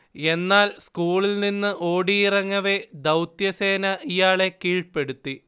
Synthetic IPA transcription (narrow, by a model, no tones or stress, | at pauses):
e̞nːaːlskuːɭilninːɨʔo̞ːɽiːrɐŋːɐʋe̞d̪ɐwt̪jɐse̞ːnɐijaːɭe̞kiːɭpe̞ɽut̪ːi